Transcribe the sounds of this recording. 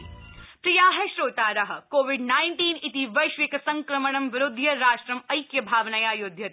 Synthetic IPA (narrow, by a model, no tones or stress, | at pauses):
pɾijaːɦɐʃɾoːt̪aːɾɐɦɐ̆koːʋiɖnaːɪɳʈiːnit̪iʋɐjʃʋikɐsɐ̃ŋkɾɐməɳ̃ɐmʋɪɾʊd̪ʱjɐɾaːʃʈɾɐmɐjkjɐbʱaːʋnɐjaːjʊd̪ʱjɐt̪